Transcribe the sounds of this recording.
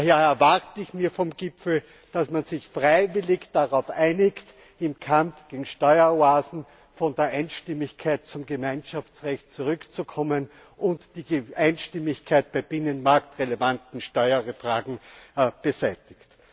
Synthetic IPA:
aheɐɛɐvaʁtəɪçmiːɐfɔmɡ̥ɪpfl̩ | d̥asmanzɪçfʁaɪvɪlɪçd̥aʁaʊfʔaɪnɪkt | ɪmkʰamfɡ̥eːɡŋ̩ʃtɔʏɐoaːzn̩ | fɔndeːɐʔæɪnʃtɪmɪçkʰaɪt̚t͡sʊmɡəmæɪnʃaft͡sʁɛçt̚t͡suʁʏkt͡sukʰɔmən | ʔʊntd̥iːʔæɪnʃtɪmɪçkʰaɪt̚b̥æɪb̥ɪnənmaɐktʁelevantn̩ʃtɔʏɐʁəfʁ̥aːɡŋ̩b̥ezæɪtɪçt

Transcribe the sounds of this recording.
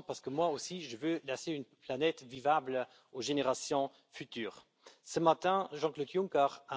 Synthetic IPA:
paʁsə̥kəmwaosiʒəvølaseynplanɛt̪vivablə | oʒeneʁasjɔ̃ | fyt̪yːʁ | səmat̪ɛ̃ʒɑ̃klod̪juŋkaʁa

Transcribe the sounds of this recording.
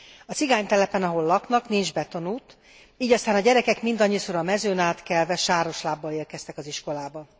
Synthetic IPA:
ɒt͡siɡaːɲt̪ɛlɛpɛnɒɦo̞lːɒknɒknind͡ʒbɛt̪o̞nuːt̪ | iːɟɒst̪aːnɒɟɛɾɛkɛkmind̪ɒɲːisoɾɒmɛzøːnaːt̪kɛlvɛʃaːɾo̞ʃlaːbːɒeːrkɛst̪ɛkɒziʃko̞laːbɒ

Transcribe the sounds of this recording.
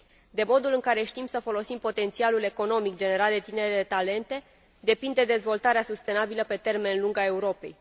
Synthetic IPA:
d̪e̞mo̞d̪ulɨŋkaɾe̞ʃt̪imsəfo̞lo̞simpo̞t̪e̞nt̪sialule̞ko̞no̞mikd͡ʒe̞ne̞ɾat̪̚d̪e̞t̪ine̞ɾelet̪ale̞nt̪e̞ | d̪e̞pind̪e̞d̪e̞zvo̞lt̪aɾeasust̪e̞nabiləpe̞t̪e̞rme̞nluŋɡae̞uɾo̞pe̞̰j

